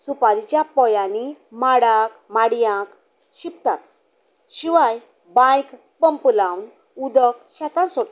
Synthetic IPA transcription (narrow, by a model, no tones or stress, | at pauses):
supaɾit͡ɕjapɔjanimaɽakmaɽjãk | ɕip̚t̪at̪ | ɕiʋaj | bãjk | pəmplawn | ud̪əkɕat̪ãnsoʈ